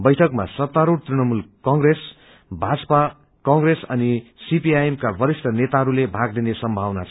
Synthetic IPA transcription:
bʌjʈʰʌkma̰sʌt̪ːaɾuɽt̪rinʌmulkʌŋɡres | bʱad͡zʌpa | kʌŋɡresʌnisipiajemkabʌɾist̪ʌnet̪aɦʌɾulebʱaɡ̚d̪inesʌmbʱawnat͡sʰ

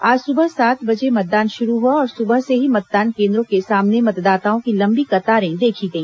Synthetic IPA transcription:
aːd͡ʒsʊbəɦsaːt̪ʰbɐd͡ʒemɐt̪̚d̪aːnʃʊɾuɦuaɔːɾsʊbəɦseɦimɐt̪̚d̪aːnkẽːnd̪ɾõkesaːmnemɐt̪d̪aːt̪aːõkilɐ̃mbikɐt̪aːɾẽd̪eːkʰiɡɐĩː

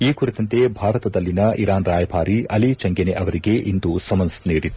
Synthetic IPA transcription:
iːkuɾit̪ɐnt̪e̞bʱaːɾɐt̪ɐd̪ɐlːinɐʔiɾaːnɾaːjɐbʱaːɾiʔɐlit͡ʃɐŋɡeneʔɐʋɐɾiɡe̞ʔind̪usɐmɐnsniːɽi

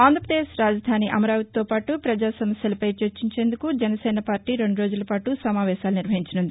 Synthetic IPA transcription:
aːnd̪ɾpɾɐd̪eːʃɾaːd͡ʒɐd̪ʱaːniʔɐmɐɾaːʋɐt̪o̞ːpaːʈupɾɐd͡ʒaːsɐmɐsjɐlɐpɐjt͡ʃɐɾt͡ʃiɲt͡ʃe̞ːnd̪ukud͡ʒɛnɐsɛːnɐpaːɾʈiːɾe̞ɳɖuɾo̞ːd͡ʒulɐpaːʈusɐmaːʋɛːʃaːluniɾʋɐɦiɲt͡ʃɐnɐnd̪i

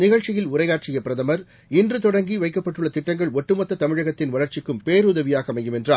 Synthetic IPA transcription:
nɪɣɐɻt͡ʃɪjɪlʊɾɐjaːɾ̚t͡ʃɪjɐpɪɾɐðɐmɐɾ | ɪndrɯt̪ɔɽɐŋɡiʋɐɪkːɐpːɐʈːɯɭːɐt̪ɪʈːɐŋɡɐɭɔʈːɯmɐt̪ːɐt̪ɐmɪɻɐɣɐt̪ːɪnʋɐɭɐɾt͡ʃɪkːɯmpeːɾuðɐʋɪjaːɣɐmɐɪjɯmɛndraː

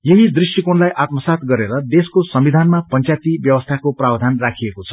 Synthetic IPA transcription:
jeɦid̪risʈikonlajʔat̪mʌsat̪ɡʌɾeɾʌd̪eskosʌmbid̪ʱanmapʌnt͡sat̪ibjʌwʌst̪ʰakoprabd̪ʱanrakʰijekot͡sʰʌ̥

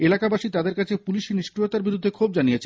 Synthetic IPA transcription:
elakabaʃit̪ad̪eɾkat͡ɕʰepuliʃiniʃkɾiot̪aɾbiɾud̪ʱːekʰob̚d͡ʑanijet͡ɕʰe

